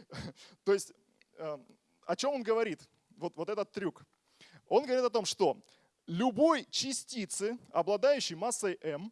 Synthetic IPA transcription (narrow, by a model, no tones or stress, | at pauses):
t̪o̞jɪsʲtʲ | ə | ɐt͡ɕo̞monɡəvɐɾʲit̪ | vo̞t̪vo̞t̪ɛt̪ət̪ːɾʲuk | o̞nɡəvɐɾʲit̪ɐt̪o̞mʂt̪o̞ | lʲʊbo̞jt͡ɕɪsʲtʲit̪sɨɐblˠɐd̪ajʉɕːɪjmasːəjʔɛm